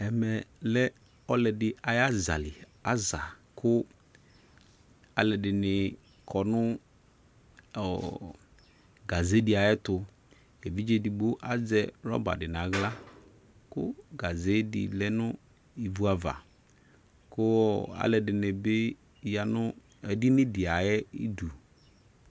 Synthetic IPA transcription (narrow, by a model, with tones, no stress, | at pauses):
ɛ˨mɛ˨lɛ˦ | ɔ˦lɛ˨dɪ˨ʔa˨ja˦za̰˨lɪ˨ | a˦za˨kʰʊ˦ | a˨lɛ˨dɪ˨nɪ˨ | kʰɔ˨nʊ˦ | ɔ˨ | ɡa˨ze˦di˦a˨jɛ˦tʊ˨ | ɛ˨vi˦d͡ʒe˨di˨ɡ͡bo˦ʔa˨d͡zɛ˦ɾɔ̰˦ba̰˨dɪ˨n˨a˨˦ɣla˦ | kʊ̰˦ɡa˨ze˦dɪ̰˨lɛ˦nʊ˦ | i˨vu˦a˨va̰˨ | kʊ˦˨a̰˨˦lɛ˨dɪ˨nɪ˨bɪ˦˨ | ja˨nʊ˦ | ɛ˨dɪ˦nɪ̃˦dɪ˨a˨jɛ˦i˦du˨